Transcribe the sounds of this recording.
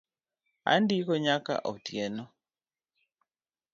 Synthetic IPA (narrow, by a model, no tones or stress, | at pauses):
a̰ndikɔɲaka̰ʔo̰tjɛnɔ